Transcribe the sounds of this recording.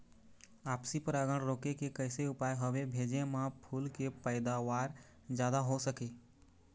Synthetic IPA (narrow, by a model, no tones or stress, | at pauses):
aːpsipəɾaɡəɽ̃ɾoːkekekəɪseʊpajɦəbebʱeːd͡ʒemãpʰuːlkepəɪd̪aʋaːɾ | d͡ʒjaːd̪aɦosəke